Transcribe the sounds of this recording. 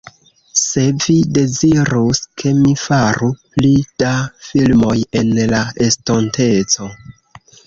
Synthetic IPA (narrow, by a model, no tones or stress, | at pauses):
se̞vide̞ziɾuskʰe̞mifaɾuplid̥afilmo̞je̞nlaestonte̞t͡so̞